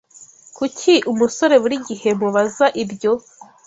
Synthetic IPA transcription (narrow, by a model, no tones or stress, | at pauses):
kucʰiʔumuso̞ɾe̞βuɾiɟihe̞muβazaʔibjo̞